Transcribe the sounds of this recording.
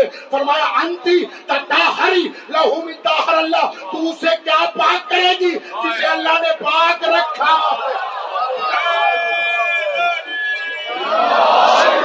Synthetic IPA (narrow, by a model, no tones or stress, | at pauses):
e | fɐɾmaːjaʔə̃nt̪iːt̪ɐnãɦəɾiːlaɦuːmɪt̪aːɦəɾəlːaːt̪ũːsekjaːpaːkːəɾeːɡ̪iːk̪ɪseɐlːaːnepaːkɾəkʰːaː